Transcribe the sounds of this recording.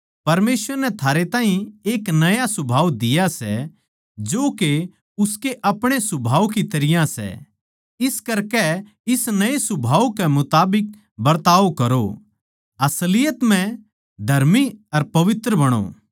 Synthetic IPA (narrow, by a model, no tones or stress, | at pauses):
pɐɾmeːsʋəɾnɛt̪ʰaːɾet̪ãːɦĩeːknɐjasʊbʱaːʋd̪ɪjasɛ̰ | d͡ʒoːke | ʊskeʔɐpɽ̃esʊbʱaːukit̪ɐɾɪjãsɛ̰ | ɪskɐɾkɛ | ɪsnɐesʊbʱaːukɛmʊt̪aːbɪk̚ | bɐɾt̪aːʋkɐɾo̰ | ɐslɪjət̪m̤ɛ̃ | d̪ʱɐɾmiɐɾpɐʋɪt̪ɾəbɐɽ̃o̰ː